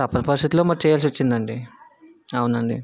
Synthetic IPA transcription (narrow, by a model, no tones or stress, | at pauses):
t̪ɐpːɐnɐpɐɾist̪it̪uloːmaːk̚t͡ʃɛːjaːls̬ʋɐt͡ʃːind̪ɐɳɖi | ɐwunɐɳɖḭ